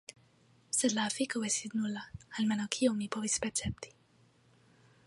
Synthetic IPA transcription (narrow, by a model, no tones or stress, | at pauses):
sɛlafikəwɛsid̪nulaalmɛnakʰiomipovispɛt͡sɛp̚t̪i̥